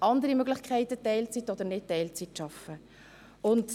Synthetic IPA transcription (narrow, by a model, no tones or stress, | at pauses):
ʔɑndəɾimøɡlɪχkʰχɛɪtətɛɪlt͡sitɔd̪əɾnɪt̚tɛɪlt͡sitʃɑfə | ʊnd